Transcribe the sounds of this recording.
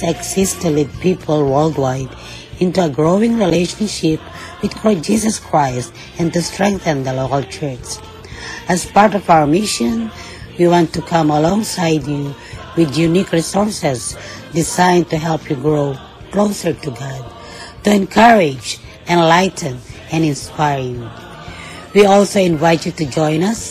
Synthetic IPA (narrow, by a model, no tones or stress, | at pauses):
ɛksɪstə̃lipipʰəl̩ˠwɜ˞ldwaɪd | ɪ̃ntuəɡɹoʊɪ̃ŋɹileɪʃə̃nʃɪp | wɨð̥kʰɔd͡ʒisəskʰɹaɪst | ɨ̃ntustɹ̥ɛ̃ŋk̚θɨ̃nðəloʊklˠt͡ʃʰɜ˞t͡ʃ | ɨzpaɹtɔvaʊə˞mɪʃə̃n | wiwɑ̃ntukʰʌ̃məlɔ̃ŋsaɪdju | wɪðjunikɹisɔɹsɛzdɪzãɪ̃ntuɦɛlˠpʰjuɡɹoʊ | kloʊsə˞tuɡɑd̚ | tuɛ̃nkʰʌɹɪd͡ʒ | ɛ̃nlaɪtɨ̃n | ɛ̃nɪ̃nspaɪɹju | wiɔlˠsoʊɪ̃nvaɪtjutud͡ʒɔ̃ɪ̃nʌs